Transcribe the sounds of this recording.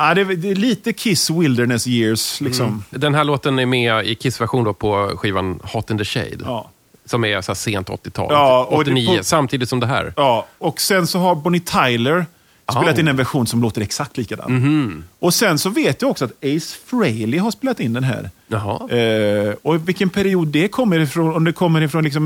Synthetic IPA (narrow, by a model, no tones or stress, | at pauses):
ad̪ɛd̪ɛliːt̪əkʰɪswɪld̪əɳɛsjɪːɾslɪksɔmd̪ɛnɦæːɭoːt̪ənæɾmɛɪkʰɪsvæɾɧuːnd̪ɔpʰɔɧiːva̰nhɔt̪ːənd̪əʂɛ̰ɪd̪ɑː | sɔmæsɔæseːnt̪ɔ̰t̪ːɪt̪ʰɑ̰ːlɑːɔɔt̪ːɪniːəsamt̪ʰiːd̪ɪt̪sɔmd̪ɛɦæ̰ːɾɑːɔksɛnsɔɦaɾbɔnɪt̪ʰajləɾ | speːlat̪ɪnːɛnvæɾɧuːnsɔmloːt̪əɾɛksak̚t̪liːkad̪ɑ̰ːnɔsɛnsɔveːt̪jɪɔksɔat̪ɛɪsfɾɛɪlɪɦaʂpeːlat̪ɪnd̪ɛnɦæ̰ːɾhɑ | ɔvɪlkːənpʰæɾɪuːd̪ːɛkʰɔmːəɾɪfɾɔnɔmd̪ɛkʰɔmːəɾɪfɾɔnlɪks̬ɔm